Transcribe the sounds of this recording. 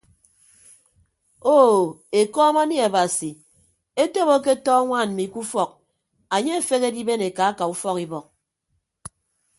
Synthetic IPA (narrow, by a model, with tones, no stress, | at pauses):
o˦˨ | e˨kɔ˦ma˦ni˦a˨ba˨si˨ | e˦to˦bo˦k̬e˦tɔː˦ŋʷa˦˨n̩˨mi˨˦ku˦fɔ˦˨k̚ | a˨ɲe˦e˨fe˦ke˦di˦be˦ne˨ka˨˦ka˨u˦fɔ˦ki˦bɔ˨k̚